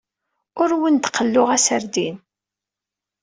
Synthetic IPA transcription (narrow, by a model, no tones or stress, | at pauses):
ʊɾwənt̪qəlːʊʁæsəɾd̪in